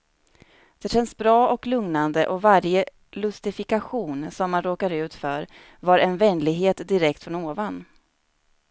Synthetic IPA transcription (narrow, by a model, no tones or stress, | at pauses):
d̪̥ɛɕɛnsbɾɑːɔklɵŋnand̪əʔɔvaɾjə | lɵst̪ɪfɪkaɧuːnsɔmːanɾoːkaɾʉ̟ːt̪fœɾ | vaɾɛnvɛnːlɪɡɦeːt̪d̪ɪɾɛk̚t̪fɾɔnoːvan